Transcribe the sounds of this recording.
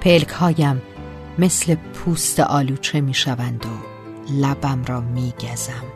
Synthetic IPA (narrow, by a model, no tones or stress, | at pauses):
pʰelkʰhɒːjæmː | e̞sle̞pʰuːst̪eʔɒːluːt͡ʃʰe̞miːʃævænd̪o | læbæmɾɒːmiːɟæzæm